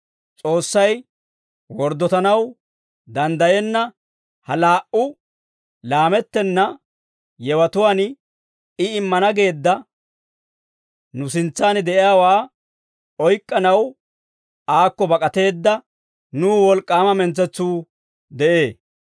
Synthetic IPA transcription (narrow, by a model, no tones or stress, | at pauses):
t͡sʼo̞ːsːɐj | wɔɾd̪ːɔt̪ɐnɐw | d̪ɐnd̪ɐjɛnːɐ | hɐlaːʔʊ | laːmɛt̪ːɛnːɐ | jɛwɐt̪ʊwaːn | ɪɪmːɐnɐɡe̞ːd̪ːɐ | nʊsɪnt͡sːaːnɪd̪ɛʔɪjaːwaː | ɔjkʼːɐnɐw | aːkːɔbɐkʼɐt̪e̞ːd̪ːɐ | nuːwɔlkʼːaːmɐmɛnt͡sːɛt͡sːuː | d̪ɛʔe̞ː